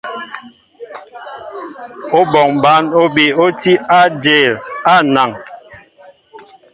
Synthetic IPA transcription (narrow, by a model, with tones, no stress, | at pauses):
o˦bɔ˨ŋba˨˦no˦bi˨o˦ti˦a˦d͡ʒe˨la˦˨na˨ŋ